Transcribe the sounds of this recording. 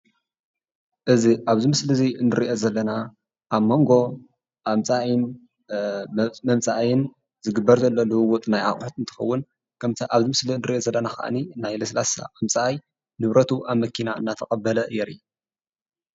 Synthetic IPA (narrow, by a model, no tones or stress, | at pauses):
ʔɨziʔaβzɨmɨslɨzinɨɾiʔozɐlːɐna | ʔaβmo̞ŋɡo̞ | ʔamt͡sʼaʔn | mɐmt͡sʼaʔjɪn | zɨɡɨbːɐɾzɐlːo̞lɨhɨwʊt̪ʼnajʔa̰χʼħut̪ɨnt̪ʰɨ̥xɐwːʊn | kʰɐmt̪ʰɐʔaβzɨmɨslinɨɾiʔozɐlːɐnaxa̰ʔninajlɐslasa̰ʔamt͡sʼaʔaj | nɨβɾɐt̪ʰuʔaβmɐkʰinaɨ̰nːat̪ʰɐkʼɐbːɐlɐjɛɾi